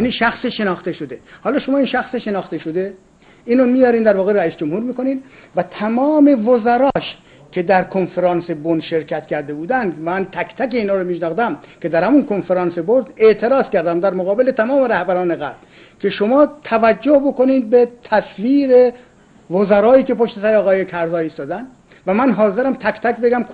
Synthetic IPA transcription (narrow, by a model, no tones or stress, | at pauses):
jæniʃæxseʃe̞nɒːxt̪eʃod̪ehɒːlɒːʃo̞mɒːiːnʃæxseʃe̞nɒːxt̪eʃod̪e | iːnomijɒːɾiːnd̪æɾvɒːɣeɾæiːsd͡ʒomhuːɾmiːko̞niːnvæt̪ʰæmɒːme̞vozæɾɒːʃ | kʰe̞d̪æɾkʰonfeɾɑːnsebonʃe̞ɾkʰæt̪kʰʲæɾd̪e̞buːd̪ænd̪mmænt̪ʰækt̪ʰækeiːnɒːɾomiːʃnɒːxd̪æmkʰe̞d̪æɾhæmunkʰonfeɾɑːnseboɾd̪e̞ʔt̪ʰe̞ɾɒːskæɾd̪æmd̪æɾmoɣɒːbelet̪ʰæmɒːme̞ɾæhbæɾɒːne̞ɣæ̰bl | kʰe̞ʃomɒːt̪ʰævæd͡ʒːohbo̞ko̞niːd̪̚bet̪ʰæsviːɾe | vozæɾɒːjiːke̞po̞ʃt̪esæɾɒːɣɒːjekʰæɾzɒːist̪ɒːd̪ænd̪ | væmænɦɒːzeɾæmt̪ʰækt̪ʰækʲbeɡæm